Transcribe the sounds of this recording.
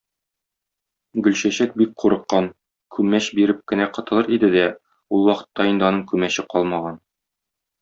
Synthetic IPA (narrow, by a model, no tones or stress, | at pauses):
ɡɵ̆lɕæɕæt̪̚bik̚qʰuɾɤ̆qːɑn | kʰʉmːæɕbiɾɘp̚kɘ̆næqɤ̆t̪ɤ̆lˠɤɾid̪ɘd̪æ | ulˠwɒqɤ̥̆t̪ːɑind̪ɘɒnɤɴkʉmæɕɘqɒlˠmɑʁɑn